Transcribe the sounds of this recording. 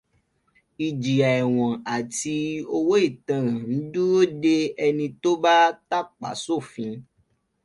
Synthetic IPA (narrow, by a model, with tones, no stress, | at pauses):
i˨d͡ʒi˨a˨ɛ˨w̃ɔ̃˨a˨ti˧o˧wo˦i˦˨tã˧ɾã˨n̩˦dũ˦ɾo˦de˦ɛ˧nĩ˧to˦ba˦ta˦˨k͡pa̰˨so˦˨fĩ˧